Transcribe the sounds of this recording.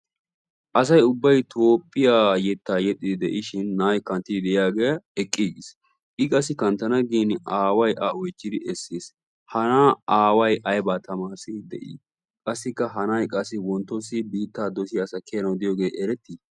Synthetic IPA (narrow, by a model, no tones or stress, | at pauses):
ʔɐsɐjʊbːɐjt̪ʰo̞ːpʼːɪjaːjɛt̪ːaːjɛt̪ʼːɪd̪ɪd̪ɛ̰ʔɪʃɪnːaːjkɐnt̪ːɪd̪ɪd̪ɛʔɪjaːɡɛjɐɛkʼːiːɡɪs | ʔɪkʼɐsːɪkɐnt̪ɐnɐɡiːnaːwɐjʔaɔjt͡ʃːɪd̪ɪʔɛsːeːs | hɐnaːaːwɐjʔɐjbaːt̪ʰɐmaːɾsɪd̪ɛ̰ʔɪ̰ː | kʼɐsːɪkːɐɦɐnajkʼɐsːɪwɔnt̪ːɔsɪbiːt̪ːaːd̪ɔsɪɐsɐkʰːeːnɐwd̪ɪjoːɡe̞ːʔɛɾɛt̪ːiː